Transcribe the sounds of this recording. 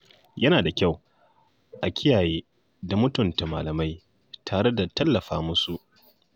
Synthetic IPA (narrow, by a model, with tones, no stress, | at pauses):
jɐ˦naː˨da˨kʲa˦˨w | ʔa˨kʲɪ˦jaː˨jeː˦ | da˨mʊ˦tʊ˨nta˨ma̰ː˨lɐ˨ma˦j | tʰaː˨ɽe˦da˨tɐ˦lːɐ˨ɸaː˦mʊ˦su˨ʔ